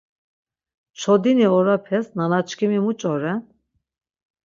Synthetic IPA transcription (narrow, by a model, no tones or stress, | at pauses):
ʃɔd̪iniɔɾapʰɛsnanat͡ʃkʰimimut͡ʃʼɔɾɛn